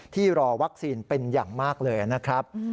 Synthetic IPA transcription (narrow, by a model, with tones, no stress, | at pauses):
t̪ʰiː˥˩ɾɔː˧wa˦˥k̚siː˧npe˧njaː˨˩ŋmaː˥˩k̚lɤː˧jʔa˨˩na˦˥kʰɾa˦˥p̚